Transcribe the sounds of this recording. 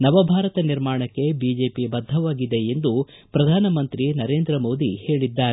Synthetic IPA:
nɐʋɐbʱaːɾɐt̪ɐniɾmaːɳɐkːe̞biːd͡ʒe̞ːpibɐd̪ʱːɐʋaːɡid̪e̞end̪upɾɐd̪ʱaːnɐmɐnt̪ɾinɐɾe̞ːnd̪ɾɐmo̞ːd̪ihe̞ːɭid̪ːaːɾe

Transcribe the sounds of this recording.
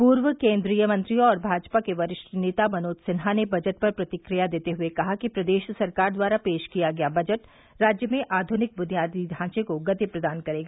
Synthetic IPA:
puːɾʋəkẽːnd̪ɾiːjəmɐ̃nt̪ɾijõɔːɾbʱaːd͡ʒpakeʋɐɾɪʃʈəneːt̪amɐnoːd̪sɪnɦanebɐd͡ʒəʈ̚pɐɾpɾɐt̪ɪkɾijad̪eːt̪eɦʊekɐɦakipɾɐd̪eːʃsɐɾkaːɾd̪waːɾapeːʃkijaɡɐjabɐd͡ʒəʈ | ɾaːd͡ʒjəmẽʔaːd̪ʱʊnɪk̚bʊnijaːd̪id̪ʱãːt͡ʃẽkoɡɐt̪ipɾɐd̪aːnkɐɾeːɡaː

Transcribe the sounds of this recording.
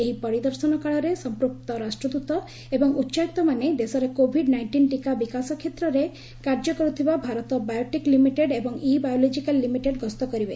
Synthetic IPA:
eɦipɔɽid̪ɔɾsɔnɔkaɭɔɾesɔmpɾup̚t̪ɔɾasʈɾɔd̪ut̪ɔ | ebɔŋutːʃait̪ɔmaned̪esɔɾekobʱiɖnajɳʈinʈikabikasɔkʰet̪ɾɔɾe | kaɾd͡ʒɔkɔɾut̪ʰibabʱaɾɔt̪ɔbajɔʈiklimiʈeɖebɔŋibajɔlɔd͡ʒikalːimiʈeɖɡɔst̪ɔkɔɾibe

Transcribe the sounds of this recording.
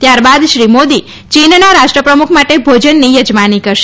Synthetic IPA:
t̪jaɾbad̪ʃɾimod̪i | t͡ʃinnaɾaʃʈɾəpɾəmukʰmaʈebʱod͡ʒənːijəd͡ʒmanikəɾʃe

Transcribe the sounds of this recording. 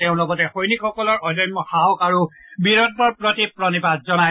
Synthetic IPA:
teʊ̃lɔɡɔtɛxojnikʰɔkɔlɔɹɔdɔnmɔhawkaɹubiɹɔt̚bɔɹpɹɔtipɹɔnipatzɔna

